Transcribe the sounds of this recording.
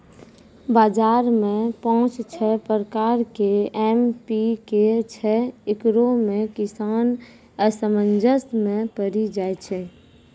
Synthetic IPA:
bad͡ʒaɾmẽpɔɦʊ̃t͡ʃt͡ʃʰɛpəɾəkaɾkeɛmpiket͡ʃʰɛekɾomẽkisan | əsəmənd͡ʒəsmẽpəɾid͡ʒaet͡ʃʰɛ

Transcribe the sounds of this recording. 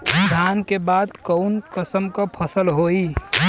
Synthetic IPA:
sd̪ʱankebad̪kəʊnkəsəmkʌ̃pʰəsəlɦoi

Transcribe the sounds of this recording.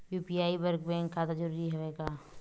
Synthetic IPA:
juːpiaːibəɾkbɛ̃ːŋkːat̪ad͡ʒəɾuːɾiɦoʋeːɡaː

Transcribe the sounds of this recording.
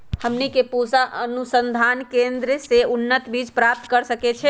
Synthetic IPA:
həmnikepusaʔənusənd̪ʱankẽnd̪ɾəseunːət̪bid͡ʒpɾap̚t̪kəɾsəkɛt͡ʃʰɛ

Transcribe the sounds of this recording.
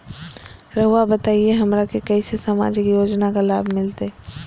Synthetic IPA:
ɾɐɦuabət̪aːieɦɐmɾakekɛisesəma̰ːd͡ʒɪkjoːd͡ʒnakala̰ːbʱmɪlt̪e

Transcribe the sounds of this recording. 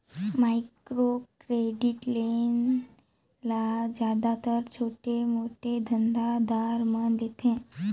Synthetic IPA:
maikɾokɾeɖiʈlen | lad͡ʑjad̪at̪əɾt͡ɕʰoʈemoʈʰed̪ʱənd̪ad̪aɾməd̪et̪ʰẽ

